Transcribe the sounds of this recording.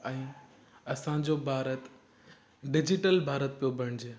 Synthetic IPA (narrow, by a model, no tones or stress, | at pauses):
ɛ̃ː | ɐsãd͡ʑobʱaːɾət̪ | ɖɪd͡ʑɪʈəlbʱaːɾət̪̚pijobʱɐɽ̃d͡ʑeː